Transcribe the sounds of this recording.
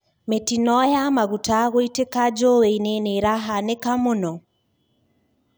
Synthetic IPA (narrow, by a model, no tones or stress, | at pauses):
metinɔjamaɣutaɣoitekad͡ʒoweineneɾaɦanekamonɔ